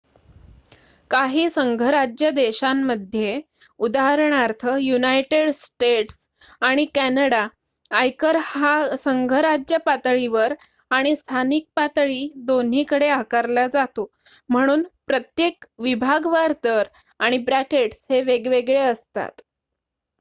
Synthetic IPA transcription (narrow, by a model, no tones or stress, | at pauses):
kaɦiːsəŋɡʱəɾad͡ʑjəd̪eɕamːəd̪ʱje | ud̪aɦəɾɳaɾt̪ʰəjunajʈeɽsʈeʈs | aɽ̃ikænəɽaː | jkəɾasəŋɡʱəɾad͡ʑjəpat̪ɭiʋəɾ | aɽ̃ist̪ʰanik̚pat̪ɭiːd̪on̤iːkəɽeakaɾlad͡zat̪o | m̤əɽ̃uːnpɾət̪jekʋibʱaɡʋaɾt̪əɾ | aɽ̃ibɾækeʈsheʋeɡʋeɡɭeəst̪a̰t̪